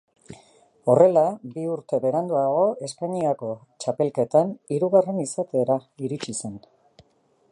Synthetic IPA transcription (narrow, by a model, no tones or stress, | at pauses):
o̞re̞labiuɾt̪e̞βe̞ɾand̪uaɣ̞o̞e̞spaɲiako̞ | t͡ʃape̞lke̞t̪aniɾuɣare̞nisat̪e̞ːɾaiɾit͡ʃise̞n